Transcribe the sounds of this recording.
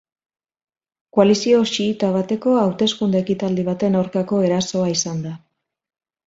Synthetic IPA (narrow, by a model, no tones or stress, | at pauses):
koalisio̞ʃiːt̪aβ̞at̪e̞ko̞awt̪e̞skund̪eːkit̪ald̪iβ̞at̪e̞nawɾkako̞e̞ɾaso̞aisand̪a